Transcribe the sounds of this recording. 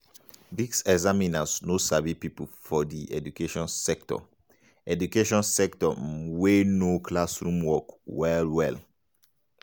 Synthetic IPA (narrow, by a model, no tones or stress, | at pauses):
disɛɡzaminasnosavipipufɔdiɛ̰dukeʃɔ̃nsɛktɔ̰ | ɛdukeʃɔ̃nsɛktɔ̰wenokʰlasɹũmwɔkwɛlwɛl